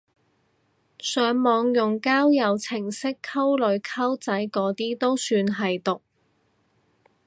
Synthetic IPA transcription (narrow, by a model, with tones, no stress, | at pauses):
sœː˨˥ŋmɔː˨˧ŋjʊ˨ŋkaː˥wjɐ˨˧wt͡sʰɪ˨˩ŋsɪ˥kʰːɐ˥wlɵ˨˧˥ɥkʰɐ˥wt͡sɐ˨˥jkɔː˨˥t̪iː˥t̪o˥wsyː˧nɦɐ˨jt̪ʊ˨˩k̚